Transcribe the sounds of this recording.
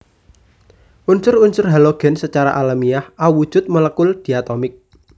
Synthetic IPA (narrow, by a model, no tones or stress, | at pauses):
ʔunsʊrunsʊrɦaloɡ̥ɛ̤nsət͡ʃaɾa̰ʔalamijahauwud̥ʒ̥ʊ̤t̪̚mələkʊld̪̥i̤at̪ɔmɪk̚